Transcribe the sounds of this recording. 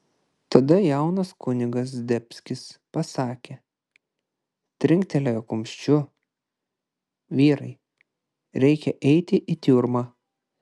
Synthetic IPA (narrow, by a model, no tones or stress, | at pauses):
t̪ɐd̪ɐjɛˑʊnɐskʊnʲɪɡɐs̬d̪ʲɛpʲsʲkʲɪspɐsɑːkʲe | t̪ʲɾʲɪŋk̚t̪ʲɛlʲɛjokʊmʲʃʲt͡ʃʲʊ | ʋʲiːɾɐɪ | ɾʲɛɪkʲɛʔɛɪt̪ʲɪʔit̪ʲuːɾmɑː